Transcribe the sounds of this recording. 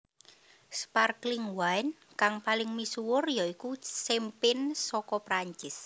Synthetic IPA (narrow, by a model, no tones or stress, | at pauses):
sparklɪŋwaɪn | kaŋpalɪŋmisuwʊrjaikusempɪnsɔkɔpɾaɲt͡ʃɪs